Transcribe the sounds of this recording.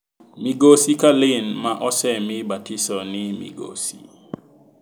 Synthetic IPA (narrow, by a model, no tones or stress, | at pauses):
miɡosikalɪnmaʔɔsɛmɪbatisɔnɪmḭɡo̰si̥̰